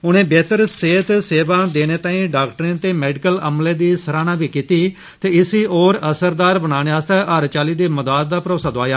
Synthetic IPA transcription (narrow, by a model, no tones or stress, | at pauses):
ʊnẽːbeːt̪əɾseːt̪seːʋãːd̪eːneːt̪ãːĩːɖaːkʈəɾɪnt̪eːmɛːɖɪkələmleːd̪iːsəɾaːnãːbiːkiːt̪iː | t̪eːɪsiːoːɾəsəɾd̪aːɾbənaːɽeːaːst̪eːʔaːɾt͡ʃaːliːd̪eːməd̪aːd̪̚ːaːpɾoːsaːd̪oaːjaː